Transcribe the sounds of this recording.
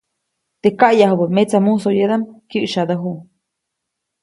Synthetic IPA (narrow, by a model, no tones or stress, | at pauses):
t̪ekaʔjahbəmet͡samusojed̪amkjɨʔʃad̪əɦu